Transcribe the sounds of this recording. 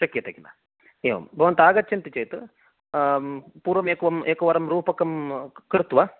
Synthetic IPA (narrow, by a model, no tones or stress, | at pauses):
ʃɐkːijɐt̪ɐkina̰ | eːʋɐ̰mbʱɐʋɐnt̪aːɡɐtːt͡ʃɐnt̪it͡ʃejt̪ɨ | puːɾʋɐmeːkuʋɐmʔeːkːɐʋɐɾɐmɾuːpɐkːɐmkɾɨt̪ːuʋa